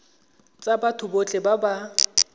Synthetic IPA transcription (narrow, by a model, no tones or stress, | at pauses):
t͡sʼabatʰʊbot͡ɬʼɛbaba